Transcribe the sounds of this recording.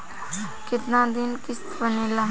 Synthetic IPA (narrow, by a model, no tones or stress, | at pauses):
kɪt̪nãd̪ɪnkɪst̪bənela